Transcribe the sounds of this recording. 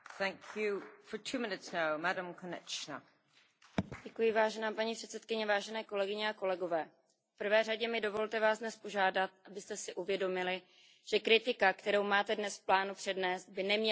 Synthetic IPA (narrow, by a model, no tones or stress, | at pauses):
θæ̃ŋkʰjʉfə˞tʰʉmɪ̃nɪtsnaʊmadə̃mkʰənɛ̰kt͡ʃnə̰ | ɟɛkujɪvaːʒɛnaːpaɲipr̝̥ɛt̪sɛt̪kɪɲɛvaːʒɛnɛːko̞lɛɡɪɲɛako̞lɛɡo̞vɛː | fpr̩vɛːraɟɛmɪdo̞vo̞lt̪ɛvaːzdnɛspo̞ʒaːdat̪̚ʔabɪst̪ɛsɪʔuvjɛdo̞mɪlɪ | ʒ̥ɛkɾɪt̪ɪkakt̪ɛɾowmaːt̪ɛdnɛsfplaːnupr̥ɛdnɛːst̪̚bɪnɛmɲɛ